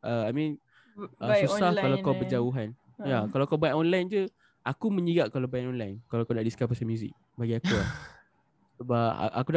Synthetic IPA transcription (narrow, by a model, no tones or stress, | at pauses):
ʔəajmĩn | ʔəsusahkalakawbəd͡ʒauɦan | jakalawakawbajʔɔnlajnd͡ʒə | ʔakumə̃ɲiɡaʔkalawbajʔɔnlajnkalawkunaʔdiskafpasamjuzḭk̚ | baɡiakua | səbaa̰ʔa̰kud